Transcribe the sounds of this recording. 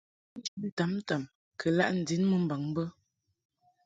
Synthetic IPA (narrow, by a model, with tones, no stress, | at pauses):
n̩˦d͡ʒn̩˨ta˨˦mta˨m | kʰə˨la̰˦ʔn̩˨di˨˦nmə˨m̩˨ba˨ŋ˦bə˦